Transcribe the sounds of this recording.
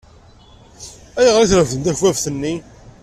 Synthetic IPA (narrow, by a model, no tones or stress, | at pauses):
æjaʁɾiθɾəvðənt̪æçwævθənːi